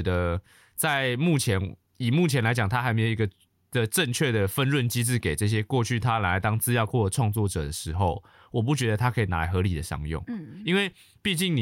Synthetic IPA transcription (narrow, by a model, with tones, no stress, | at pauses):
d̪ə˧ | t͡sa˥˧ɪmu˥˩t͡ɕʰjɛ˧˦˥n | i˨˩mu˥˩t͡ɕʰjɛ˧˦nla˧˥ɪt͡ɕjɑ˨˩ŋt̪ʰa˦˥xa˧˥ɪme˧˥ɪjo˨˩i˧˥ɡə˧ | də˨ʈ͡ʂə˥˧ŋt͡ɕʰɥɛ˥˩d̪ə˩fə˥˧nɻwə˥˨nt͡ɕi˦t͡sɹ̩˥˩ke˨˩ɪʈ͡ʂɤ˥˩ɕ̬jɛ˦kwɔ˥˧t͡ɕʰy˥˩t̪ʰa˦la˨˩˥ɪt̪ɑ˥ŋt͡sɹ̩˥˧jɑ˥˧ʊkwɔ˥˩lə˨˩ʈ͡ʂʰwɑ˥˧ŋt͡swɔ˥˨˩ʈ͡ʂɤ̰˨˩d̪ə˩ʂɻ̩˧˥xo˥˧ʊ | wɔ˨˩p̬u˥˩t͡ɕɥɛ˧˥d̪ə˧t̪ʰa˥kʰɤ˧˥i˨˩na̰˧˥a˨˧˩xɤ˧˦li˨˩d̪ə˩ʂɑ̰˧˥ŋjɔ̰˥˩ŋi˥˦nwe˥˧ɪ | pi˥˧t͡ɕi˥˩ŋni˨